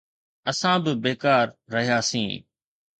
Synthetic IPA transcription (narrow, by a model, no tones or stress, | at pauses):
ɐsãbɪbeːkaːɾːɐɦijaːsḭ̃ː